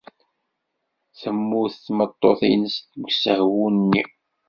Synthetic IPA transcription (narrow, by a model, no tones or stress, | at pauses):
θəmːuθəθmət̪ˤːoθinəst̪ɡsəhwunnːi